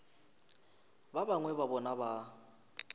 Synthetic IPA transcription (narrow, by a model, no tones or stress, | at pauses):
babaŋwɛbabɔnaba